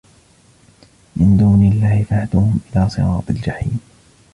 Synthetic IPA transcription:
mɪnd̪uːnɪlːaːhɪfahad̪uːhʊmʔɪlaːsˤɨ̰ɾɑːt̪ˤɪld͡ʒaħiːm

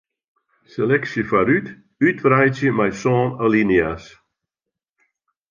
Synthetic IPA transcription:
selɛksəfaɾyt | ytvrajsjəmajsɔːnəlinjas

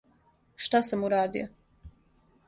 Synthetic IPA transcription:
ʃt̪asamuɾaːd̪ḭo̰

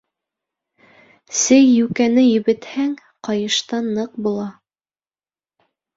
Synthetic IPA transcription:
sɘjːʉkænɘjɵ̆βɘ̆t̪hæŋ | qɑjɤ̆ʃt̪ɑnːɤq̚bulˠɑ

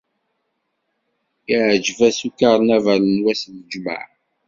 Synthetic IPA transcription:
iʕd͡ʒvæsukaʁˤnævæɾənwæsnəd͡ʒmə̰ʕ

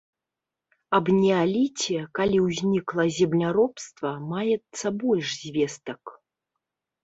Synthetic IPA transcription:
ɐbnʲɛalʲit͡sʲɛkalʲiwzʲnʲiklˠɐzʲɛmnʲaɾɔpst̪vɐmajɛt̪sːɐbɔlʲʂzʲvʲɛst̪ɐk

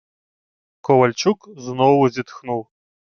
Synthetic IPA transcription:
kʰɔwɐlʲt͡ʃukznɔwzʲit̪xnuw

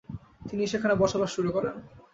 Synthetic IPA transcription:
t̪iniʃekʰanebɔɾʃabaʃːuɾukɔɾen

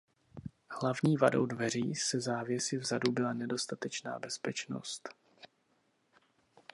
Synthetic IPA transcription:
hlavɲiːvado̞̰wdvɛr̝iːsɛzaːvjɛsɪvzadubɪlanɛdo̞st̪at̪ɛt͡ʃna̰ːbɛspɛt͡ʃno̞̰st̪

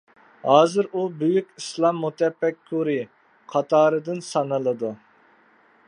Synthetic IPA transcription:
hɑːzɨɾubyjykʲislˠɑmːut̪ʰɛbːɛkʰːuɾi | qʰɑt̪ʰɑːɾɨd̪ɨnsɑnɨlˠɨd̪u

